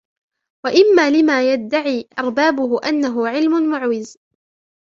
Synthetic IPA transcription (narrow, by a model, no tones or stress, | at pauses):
waʔɪmːaːlɪmaːjad̪ːaʕiːʔɑ̰ɾˤbaːbʊɦʊʔanːaɦʊʕɪlmʊnmʊʕwɪz